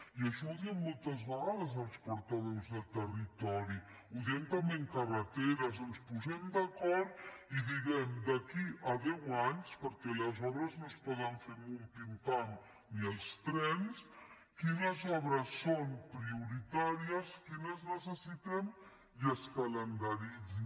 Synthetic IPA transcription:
iaʃɔuðiɛmːolˠt̪əzβəɣaðəzəlˠspuɾt̪aðozðəlˠt̪ərit̪ɔɾi | uðɛmt̪ameŋkarət̪eɾazənspuzɛmd̪ɐkɔɾt̪iðiɣɛmd̪ɐkiʔaðɛwaɲspəɾkɛlɐzɔβɾəznospɔðaɱfeɾmultint̪an | niəlˠst̪ɾɛns | kinəzɔβ̞ɾəsːompɾiuɾit̪aɾiəskinəznəsəsit̪ɛm | jiəskɐlənd̪aɾid͡zi

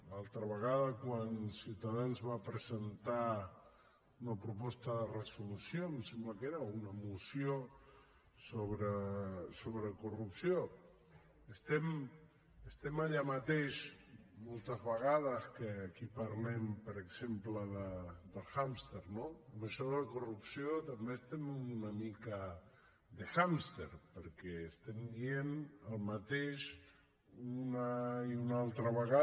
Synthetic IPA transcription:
lalˠt̪ɾəβəɣaðəkwansiwt̪aðanzβapɾəzənt̪a | unəpɾupɔst̪əðərəsulusjomsembləkeɾəunəmusjio | soβɾəsoβɾəkurupsio | əst̪ɛm | əst̪ɛmaʎamət̪eʃmolˠt̪əzβəɣaðəskəːkipaɾlempəɾəɡz̥empləðəd̪əlˠxamst̪eɾnoəməʃɔðələkurupsiot̪ambest̪emuunəmikə | d̪əxamst̪eɾpəɾkɛːst̪ɛmbienəlˠmat̪eʃ | unaiunalˠt̪ɾəβəɣa

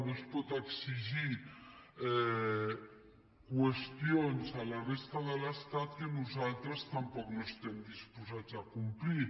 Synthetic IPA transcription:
nospɔt̪əksiʒi | ɛ | kwəst̪ionzalarest̪aðələst̪at̪kənuzalt̪ɾəst̪ampɔknost̪ɛmd̪ispuzat͡sakumpli

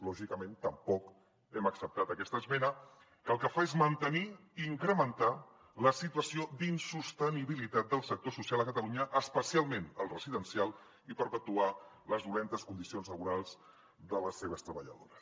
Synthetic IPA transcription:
lɔʒikəment̪əmpɔk | ɛməksəp̚t̪at̪əkɛst̪əzmɛnə | kəlˠkəfaezmənt̪əni | iŋkɾəmənt̪a | ləsit̪uwəsiod̪insust̪əniβ̞ilit̪at̪̚d̪əlˠsək̚t̪osusialˠəkət̪əluɲəʔəspəsialˠmenəlˠrəziðənsialˠ | ipəɾpət̪ua | ləzðulent̪əskund̪isionzləβuɾalˠz̥ | d̪ələsːeβəst̪ɾəβəʎə̰ðoɾəs

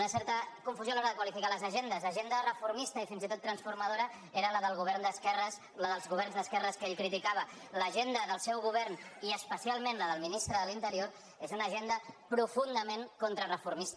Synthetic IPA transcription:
nəsɛɾt̪əkuɱfuzjoalɔɾəðəkwalifikaləzəʒend̪əzəʒend̪ərəfuɾmist̪əifinzit̪ot̪ːɾənsfuɾməðoɾə | eɾələðəlˠɣuβɛɾnd̪əskɛrəs | ləðəlˠzɣuβ̞ɛɾnzðəskɛrəskeʎkɾit̪ikaβ̞ə | ləʒend̪əðəlˠsɛwɣuβ̞ɛrniəspəsialˠmẽnləðəlˠminist̪ɾəðəlint̪əɾioɾ | ezunəʒend̪əpɾufund̪əmeŋkont̪ɾərəfuɾmist̪

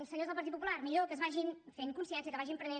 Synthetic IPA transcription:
lˠsəɲozðəlˠpəɾt̪ipupulˠaɾmiʎokəzβaʒinfeŋkunsiɛns̬iəkəβaʒimpɾəne

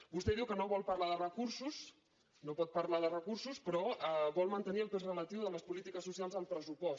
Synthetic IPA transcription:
bust̪ɛðiwkənoβɔlˠpəɾlaðərəkuɾsus | nopɔt̪̚pəɾlaðərəkursuspɾɔəβɔlˠmənt̪əniəlˠpezrələt̪iwðələspulit̪ikəsusialˠzəlˠpɾəsupɔs

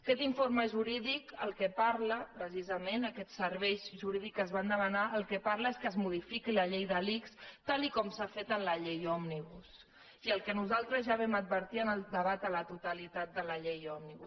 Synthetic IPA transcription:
əkɛt̪iɱfoɾməʒuɾiðikkəlˠkɛpaɾləpɾəsizəmenəkɛt̪səɾβɛjʒuɾiðikəzβand̪əmənaʔəlˠkɛpaɾləeskəzmuð̞ifikiləʎejðəlikst̪alikɔmsafet̪ənləʎejɔmniβus | iəlˠkənuzalˠt̪ɾəzʒaβɛmət̪̚bəɾt̪iənəlˠd̪əβat̪ələt̪ut̪əlit̪at̪̚d̪ələʎejɔmniβus

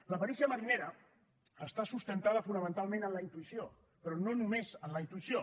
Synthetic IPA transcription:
ləpəɾisiəməɾineɾə | əst̪asust̪ənt̪að̞əfunəmənt̪alˠmẽnənləint̪uisio | pɾɔnonumezənləint̪uisio

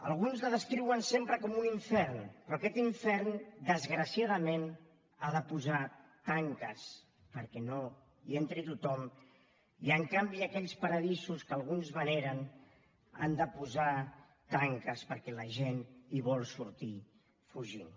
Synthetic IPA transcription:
ə̰lˠɣunzləðəskɾiwənsempɾəkɔmuniɱfɛɾnpɾɔakɛt̪iɱfɛɾnd̪əzɣɾəsiaðəmen | aðəpuzat̪aŋkəs | pəɾkɛno | ient̪ɾit̪ut̪ɔm | iəŋkambiəkɛʎspəɾəðisuskəlˠɣunzβəneɾən | a̰nd̪əpuza | t̪aŋkəspəɾkɛləʒeniβɔlˠsuɾt̪i | fuʒin

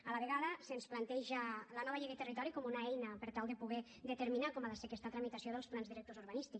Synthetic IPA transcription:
alaβeɣaðəsensplant̪ɛʒələnɔβaʎiɣet̪ərit̪ɔɾikɔmunaɛjnəpəɾt̪alˠd̪epuɣɛ | d̪et̪eɾminakɔmaðasekɛst̪at̪ɾamit̪asioðəlˠsplanzðiɾek̚t̪ozuɾβanist̪iks

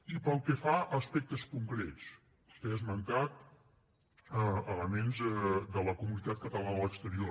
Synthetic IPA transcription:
ipəlˠkəfaʔəspɛk̚t̪əskuŋkɾet͡s | kɛzmənt̪at̪̚ | əələmenzɛd̪ələkumunit̪at̪̚kət̪əlanəələkst̪əɾio

